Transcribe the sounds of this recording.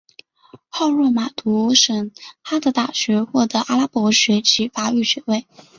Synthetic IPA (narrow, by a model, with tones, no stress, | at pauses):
xɑ˥˧ʊɻwɔ˥˩ma˨˩t̪u˧˥ʂɤ˨˩ŋxa˥d̪ə˧t̪a˥˩ɕɥɛ˧˥xwɔ˥˩t̪ɤ˧˥ʔa˥la˥pwɔ˧˥ɕɥɛ˧˥t͡ɕʰi˧˥fa˥y˥˩ɕɥɛ˧˥we˥˩ɪ